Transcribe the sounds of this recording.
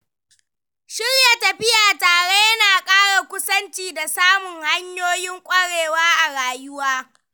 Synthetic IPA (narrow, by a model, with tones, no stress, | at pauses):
ʃɪ˦rja˨tɐ˨ɸɪ˦jaː˨taː˨ɽe˦jɐ˦naː˨kʼaː˦ɽa˨kʷʊ˦sɐ˦nt͡ʃiː˨da˨saː˦mʊ˨ŋha˦ɲjoː˦jɪ˦ŋkʷʼɐ˦ɽeː˨waː˦ʔa˨ɽaː˨jʊ˦waː˦